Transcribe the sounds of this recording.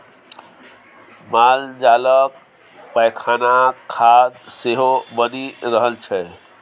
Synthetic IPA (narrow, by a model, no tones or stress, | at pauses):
mald͡ʒalək̚ | pəjkʰanakʰad̪seɦobəniɾəɦəlt͡ʃʰɛ